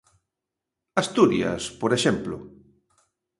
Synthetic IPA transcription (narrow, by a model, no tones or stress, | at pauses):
ast̪uɾjɐ̰spoɾeʃɛmplʊ̰